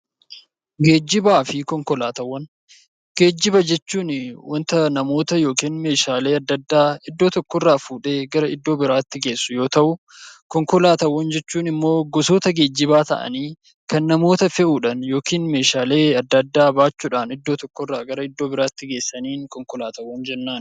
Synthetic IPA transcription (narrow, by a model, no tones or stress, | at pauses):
ɡe̞ːd͡ʒːɪbaːfɪkɔŋkɔlaːt̪ɐwːɐn | ɡ̥e̞ːd͡ʒːɪbɐd͡ʒɛt͡ʃːuːnwɔnt̪ɐnɐmo̞ːt̪ɐjo̞ːkiːnme̞ːʃaːle̞ːɐd̪ːɐd̪ːaːɪd̪ːo̞ːt̪ɔkːɔrːaːfuːᶑe̞ːɡɐɾɐɪd̪ːo̞ːbɪɾaːt̪ːɪɡe̞ːsːʊjo̞ːt̪ɐʔʊ | kɔŋkɔlaːt̪ɐwːɐnd͡ʒɛt͡ʃːuːnɪmːo̞ːɡɔso̞ːt̪ɐɡe̞ːd͡ʒːɪbaːt̪ɐ̰ʔɐ̰niː | kɐnːɐmo̞ːt̪ɐfɛʔuːᶑɐnjo̞ːkiːnme̞ːʃaːle̞ːɐd̪ːɐd̪ːaːbaːt͡ʃːuːᶑaːnɪd̪ːo̞ːt̪ɔkːɔrːaːɡɐɾɐɪd̪ːo̞ːbɪɾaːt̪ːɪɡe̞ːsːɐniːŋkɔŋkɔlaːt̪ɐwːɐnd͡ʒɛnːaːn